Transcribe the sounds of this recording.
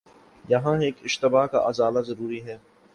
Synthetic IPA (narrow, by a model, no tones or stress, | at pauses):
jɐɦãeːkɪʃt̪ɪbaːka̰ʔɐzaːlazɐɾuːɾiɦɛː